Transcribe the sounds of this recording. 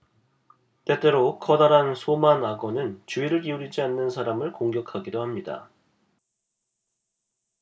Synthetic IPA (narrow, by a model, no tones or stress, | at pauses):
t͈e̞t͈e̞ɾokʰʌdaɾansʰomanaɡʌnɯnt͡ɕuiɾɯɭkiuɾid͡ʑianːɯnsʰaɾamɯɭkoŋɡjʌkʰaɡidohamɲida̰